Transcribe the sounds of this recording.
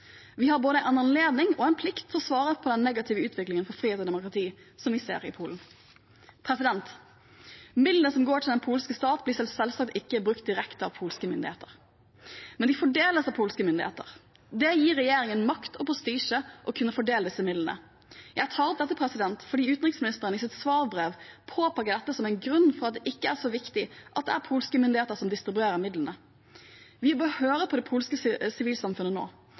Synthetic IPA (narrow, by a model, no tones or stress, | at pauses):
ʋɪhɑɾboːd̪əʔɑnɑnleːd̪nɪŋɔɛɪnpʰlɪkt̪t̪ʰɪɔsʋɑːʁəpʰɔd̪ɛnːɛɡɑt̪ʰɪːʋəʉːt̪ʰʋɪklɪŋənfɔɾfɾiːeːt̪ɔd̪ɛmʊkʁɑt̪ʰiː | sɔmʋɪsḛːɾɪpʰuːln̩ | pʰɾɛsɪd̪ɛnt̪ | mɪd̪lənəsɔmɡoːʈʰɪld̪ɛnpʰuːlskəst̪ɑːt̪blɪsɛlfsɛlsɑk̚t̪ɪkːəbɾʉkt̪̚d̪ɪɾɛkt̪əɑ̰ʋpʰuːlskəmʏnd̪ɪ̰ḛːt̪əʁ | mɛnd̪ɪfɔɖeːləsɑʋpʰuːlskəmʏnd̪ɪhḛːt̪ə̰ɾ | d̪ɛjiːɾɛjeːɾɪŋənmɑkt̪ɔpʰɾʊst̪iːʂəʔɔkʰʉnːəfɔɖeːləd̪ɪsːəmɪd̪lənə̰ | jæɪt̪ʰɑːɾɔp̚d̪ɛt̪ːəpʰɾɛsɪd̪ɛnt̪fɔɖiːʉːt̪n̩ʁɪksmɪnɪst̪əʁənɪsɪt̪sʋɑːɾbʁeːʋpʰoːpʰɑkːəd̪ɛt̪ːəsɔmæɪnɡɾʉnːfɔʁɑt̪̚d̪ɛʔɪkːəæʂɔʋɪkt̪ɪʔɑt̪̚d̪ɛ̰æɾpʰuːlskəmʏnd̪ɪheːt̪əɾsɔmd̪ɪst̪ɾɪbʉeːɾəmɪd̪lənə | ʋɪbəhøːɾəpʰɔd̪ɛpʰuːlskəsɪʋiːlsɑmfʉnəno̰ː